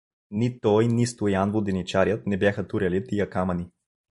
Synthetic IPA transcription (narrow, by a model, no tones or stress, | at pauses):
nit̪ɔjnist̪ojanvod̪ɛnit͡ʃaɾʲjət̪̚nɛbjaxət̪uɾɐlit̪ijɐkamɐni